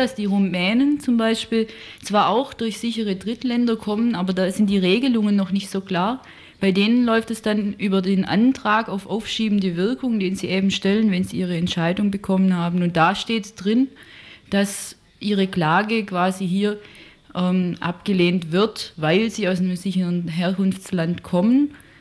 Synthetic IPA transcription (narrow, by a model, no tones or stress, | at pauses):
d̥asd̥iːʁumɛːnənt͡sʊmbaɪʃpiːlt͡sv̥aːɐʔaʊxd̥ʊɐçz̥ɪçəʁədʁɪtlɛndɐkʰɔmənʔaːbɐdaːsz̥ɪnt̚d̥iːʁeːɡəlʊŋənːɔχnɪçtz̥oːkl̥aːɐ | b̥aɪdeːnənlɔʏftɛsd̥anʔyːbɐdeːnʔa̰ntʁ̥aːkaʊfʔaʊfʃiːbmn̩dəvɪɐkʰʊŋd̥eːnziːʔeːbm̩ʃtɛlənvɛnziːʔiːʁ̞əɛntʃaɪdʊŋbəkʰɔmənhaːbn̩ʊnt̚d̥aːʃteːtd̥ʁɪnd̥as | ʔiːʁ̞əklaːɡəkv̥aːziɦiːɐ | ʔɛːmʔa̰pɡ̥əleːntv̥ɪɐtvaɪlziːaʊsnəmzɪçəʁənɦeːɐkʊnft͡slantkʰɔmən